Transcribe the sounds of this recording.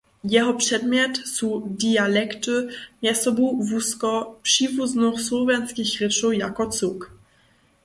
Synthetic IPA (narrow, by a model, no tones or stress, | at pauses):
jɛɦɔpr̝̥ɛdmɲɛt̪sudialɛkt̪ʊmjɛsɔbuvuskɔpr̥iːvuznoxslovɛnt͡skixrɪsujakɔt͡suk